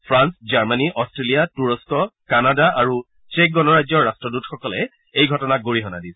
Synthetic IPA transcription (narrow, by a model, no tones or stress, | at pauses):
pʰɹansd͡ʒaɹmaniʔɔstɹelijatuɹɔskɔkanadaʔaɹu | t͡ʃek̚ɡɔnɔɹajzɔːastɹɔdutxɔkɔlɛ | ejɡʱɔtɔnaɡoɹiɦɔnadis